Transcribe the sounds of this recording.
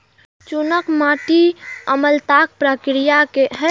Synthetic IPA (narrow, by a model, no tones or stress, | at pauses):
t͡ʃunəkmaːʈiəməlt̪ak̚pɾəkɾijakeɦɛ